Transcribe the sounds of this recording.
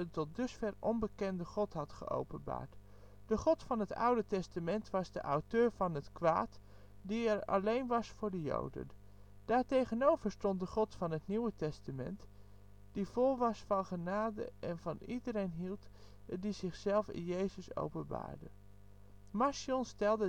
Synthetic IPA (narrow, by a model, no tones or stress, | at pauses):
ətɔt̚dɵsfɛɹɔnbəkɛndəχɔtɦɑtχə̰ʔo̰wpənba̰ːɹt | d̥əχɔtfɑnɦətʌ̰wdətɛstamɛntʋɑzdə̰ʔawtøːɹvɑnɦətkʋa̰ːt | diɛɹɑ̰lejnʋɑsfʊːɹdəjo̰wdə̰n | d̥aːɹtejχənowvəɹstɔnt̚dəχɔtfɑnɦətniwətɛstamɛ̰nt | d̥iv̥ɔlˠʋɑsfɑnχənaːdə̰ʔɛnvɑnidəɾejnɦilˠt | dizɪχsɛlˠfɪ̰njejzəso̰wpənba̰ːɹdə̰ | masjɔnstɛlˠdə